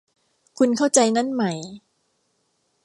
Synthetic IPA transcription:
kʰu˧nkʰa˥˩wt͡ɕa˧jna˦˥˨nma˦j

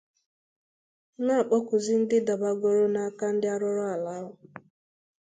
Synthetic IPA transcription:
ŋa˦˨k͡pɔ˦kʷʊ˨zɪ˦n̩˦dɪ˦da˨ba˦ɡo˦ɾo˦na˨a˦ka˦n̩˦dɪ˦a˦ɾʊ˦ɾʊ˦a˨la˨˦ɦʊ˨

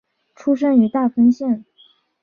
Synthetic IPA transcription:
ʈ͡ʂʰu˥ʂ̬ə˥ŋy˧˥t̪a˥˩fə˥ŋɕjɛ˥˩n

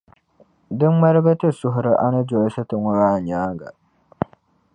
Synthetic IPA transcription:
dɨ˦m˦ma˦ɾɨ˦ba˦tɨ˦sʊ˨ɦʊ˨ɾɨ˨ʔa˦nɨ˦d͡ʒo˨ɪ˦sɨ˦tɨ˨ŋɔ˨ɾaː˦˨ɲaː˦ɡa̰˨

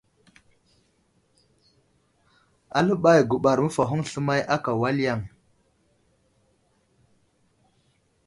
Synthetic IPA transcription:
a˨lə˦ɓa˦˨jɡu˨ɓa˨ɾmə˦fa˨ɦu˦ŋɬə˦ma˦jʔa˦ka˨wa˦lja˦˨ŋ

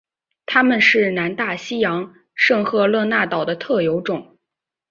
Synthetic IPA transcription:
t̪ʰa˥mə˨nʂɻ̩˥˩na˧˥nt̪a˥˩ɕi˥jɑ˧˥ŋ | ʂɤ˥˧ŋxɤ˥˧lɤ˥˧na˥˩t̪ɑ˨˩ʊd̪ə˦t̪ʰɤ˥˩jo˧˥ʊʈ͡ʂʊ˨˩˦ŋ

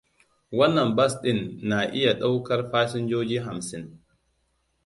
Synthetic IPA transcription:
wɐ˦nːɐ˨mbɐ˦sɗɪ˦˨nːa˨ʔɪ˦ja˨ɗa˦wkɐ˦rɸaː˦sɪ˦nd͡ʒoː˦d͡ʒiː˦ɦa˨msɪ˦n

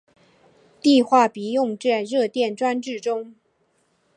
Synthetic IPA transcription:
t̪i˥˧xwa˥˩pi˧˥jʊ˥˧ŋʈ͡ʂɛ˥˧ɻɤ˥˧t̪jɛ˥˩nʈ͡ʂwa˥nʈ͡ʂɻ̩˥˩ʈ͡ʂʊ˥ŋ

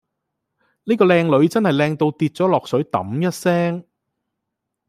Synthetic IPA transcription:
niː˥kɔː˧lɛː˧ŋlɵ˨˧ɥt͡sɐ˥nhɐ˨˩jlɛː˧ŋt̪o˧wt̪iː˧t̚t͡sɔː˨˥lɔː˨k̚sɵ˨˥ɥt̪ɐ̰˨˥mjɐ˥t̚sɛː˥ŋ

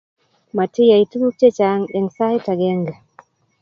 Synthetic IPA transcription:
ma˨ti˦jai˨tu˦lu˦te˦t͡ʃaŋɛ˨ŋsa˦hita˨ɡɛ˦ŋɡa˨

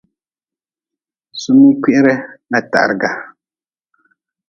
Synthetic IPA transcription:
su˦mːɨ˦ki˦ʔɪ˦ɾɨ˦na˨ta̰˨ʔɾɨ˨ɡa˨

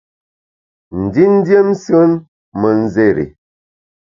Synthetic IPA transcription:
n̩˨di˦n̩˦dje˦msə˦n | mə˨n̩˦ze˦˨ɾḭ˨

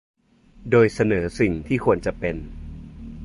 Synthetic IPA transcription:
doː˧jsa˧nɤː˩˦si˨˩ŋt̪ʰiː˥˩kʰu˧ənt͡ɕa˨˩pe˧n

